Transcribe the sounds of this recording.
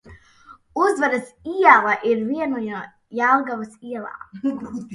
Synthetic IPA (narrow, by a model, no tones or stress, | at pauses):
uzvaɾɐsiɛlˠaʔiɾviɛnuja | jalˠɡavɐsiɛlˠa̰ː